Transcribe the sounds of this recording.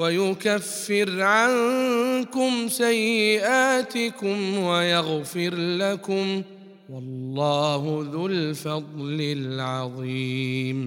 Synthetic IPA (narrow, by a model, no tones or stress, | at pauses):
wajʊkafːɪɾʕankʊmsajːɪʔaːt̪ɪkʊmwajaɣfɪɾlakʊm | wɑlːɑːɦʊðʊlfɑd̪ˤlɪlʕɑðˤiːm